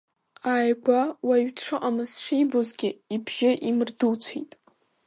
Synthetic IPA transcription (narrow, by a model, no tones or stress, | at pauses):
aːjɡʷawaɥʈ͡ʂʰɨqʼamɨsʂijbozɡʲɪibʒɪʔimɨrduwt͡sʷʰḛjtʼ